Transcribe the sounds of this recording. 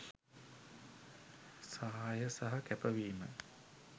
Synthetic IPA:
saɦajəsaɦɐkæpəʋiːmə̰

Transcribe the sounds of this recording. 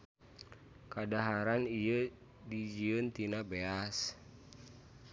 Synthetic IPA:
kadaɦaɾaniə | did͡ʒiənt̪inabeas

